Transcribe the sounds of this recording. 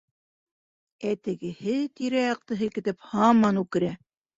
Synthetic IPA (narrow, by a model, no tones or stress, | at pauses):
æt̪ɘ̆ɡɘ̆hɘt̪iɾæjɑq̚t̪ɤɦɘ̆lkɘ̆t̪ɘphɑmːɑnʉkɘ̆ɾæ